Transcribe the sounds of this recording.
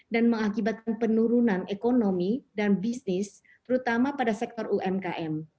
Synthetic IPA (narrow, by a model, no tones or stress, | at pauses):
danməŋakibat̪̚kanpənuɾunanekonomidanbisnɪs | t̪əɾut̪amapadasɛk̚t̪ɔruʔɛmkaʔɛm